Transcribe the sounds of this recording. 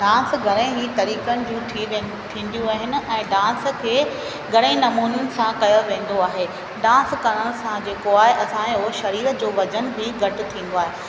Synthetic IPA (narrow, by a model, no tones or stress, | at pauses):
ɖãːnsɡʱɐɾẽɦit̪ɐɾiːkənɪ̆d͡ʑũːt̪ʰiʋ | t̪ʰĩːn̆d̪ijũaːɦɪnɪ̆ɛ̃ːɖãːnskʰeː | ɡʱɐɽẽnɐmuːnjʊnɪ̆sãkɐjoʋẽːn̆d̪oaːɦeː | ɖãːnskɐɽəɽ̃sãd͡ʑeːkoaːɦeʔɐsãoʃɐɾiːɾəd͡ʑoːʋɐd͡ʑənbɪɡʱɐʈɪ̆t̪ʰĩːn̆d̪oaːɦe